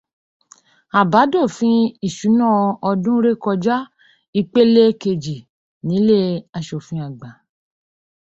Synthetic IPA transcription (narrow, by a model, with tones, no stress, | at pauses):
a˨ba˨˦do˦˨fĩ˦i˦˨ʃu˨˦nã˦˨ɔ˧dũ˦ɾe˦kɔ˧d͡ʒa˦ | i˧k͡pe˦le˦ke˧˨d͡ʒi˨ | nĩ˨˦le˦˨a˧ʃo˨fĩ˧˦a˨ɡ͡ba˨